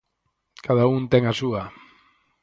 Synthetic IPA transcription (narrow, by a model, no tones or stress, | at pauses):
kaðaunt̪eŋasua